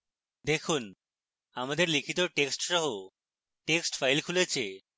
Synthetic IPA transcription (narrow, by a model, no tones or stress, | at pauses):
d̪ekʰun | amad̪eɾlikʰit̪oʈeksʈʃɔɦo | ʈeksʈfajlkʰulet͡ɕʰe